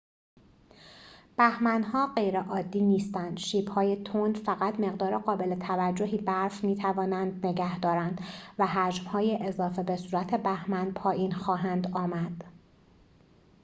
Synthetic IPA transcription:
b̥æhmænɦɒːɢe̞jɾeʔɒːd̪ːiːniːst̪ænd̪̥ʃiːbhɒːjet̪ʰonfæɣæt̪me̞ɣd̪ɒːɾeɢɒːbe̞le̞t̪ʰævæd͡ʒːo̞ɦiːbæɾfmiːt̪ʰævɒːnænd̪ne̞ɟæhd̪ɒːɾænd̪̥væɦæd͡ʒmhɒːjeʔezɒːfe̞be̞suːɾæt̪ʰe̞bæhmænpʰɒːjʔiːnxɒːɦænd̪ɒːmæd̪̥

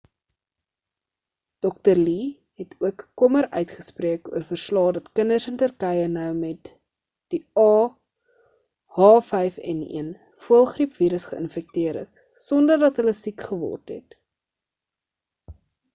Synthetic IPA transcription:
d̥ɔk̚tərli | ɦɛtʰuəkːɔməɾœ̰ɥtχəspriəkuərfərslɑːdɐtkənərsəntərkɛjənœwmɛt | d̥iɑː | hɑːfɛjfɛ̰nḭən | fuəlˠχripviːɾəsχəʔə̰nfɛk̚tiəɾə̰s | sɔndərdɐtɦələsikχəvɔ̰rtɦɛ̰t

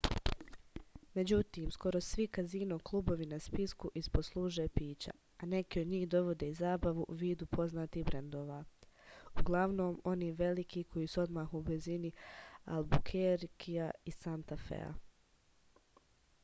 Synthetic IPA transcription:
me̞d͡ʑut̪iːmsko̞ɾo̞sʋikaziːnoklˠuːbo̞ʋinaspiskuʔisposlˠuːʒepiːt͡ɕa̰ | ane̞kiod̪ɲiːhd̪o̞ʋo̞d̪e̞izaːbaʋuʔuʋiːd̪upʰo̞znaːt̪iɦbɾend̪o̞ːʋa | uɡlˠaʋno̞ːmo̞niːʋe̞likʰikʰo̞jiːsuo̞d̪maːxubizinia̰lbukʰeɾkʰiaisant̪afḛa̰

